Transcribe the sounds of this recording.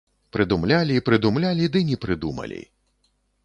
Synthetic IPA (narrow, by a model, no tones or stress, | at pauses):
pɾɨd̪umlʲalʲiːpɾɨd̪umlʲalʲid̪ɨnʲɛpɾɨd̪umɐ̰lʲḭ